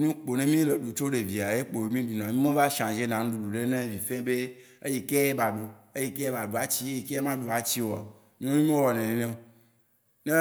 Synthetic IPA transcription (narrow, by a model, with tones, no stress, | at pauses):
nũ˦k͡po˨nẽ˦mĩ˦le˨ɖu˨t͡ʃo˦ɖe˨vi˨a˨je˦k͡po˨e˨mĩ˦ɖu˨nã˨mĩ˦mẽ˦va˦ʃã˨d͡ʒe˦nã˨nũ˦ɖu˨ɖu˨ɖe˦nẽ˦vi˨fẽ˦be˦ | e˦je˨ke˦e˦ba˨ɖo˨ | e˦je˨ke˦e˦ba˨ɖo˨a˨t͡ɕi˦e˦ji˨ke˦e˦mã˦ɖo˨a˨t͡ɕi˦wo˨a̰˨ | mĩ˦o˦nũ˦mĩ˦o˦wɔ˨nẽ˨nẽ˨nẽ˦o˨ | nẽ˦